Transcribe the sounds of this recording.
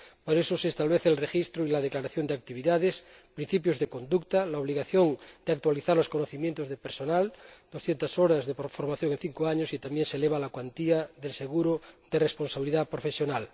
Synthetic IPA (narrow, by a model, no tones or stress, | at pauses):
poɾesosest̪aβleθelrexist̪ɾoilað̞eklaɾaθjond̪eak̚t̪iβ̞iðaðespɾin̟θipjozðekond̪ukt̪alaoβ̞liɣaθjond̪̥eak̚t̪waliθaɾloskonoθimjent̪ozðepeɾsonald̪̥osθjent̪asoɾazðepfoɾmaθjo̞ŋen̟θiŋkoaɲosit̪ambjenseleβ̞alakwant̪iaðelseɣuɾod̪eresponsaβiliðapɾofesjonal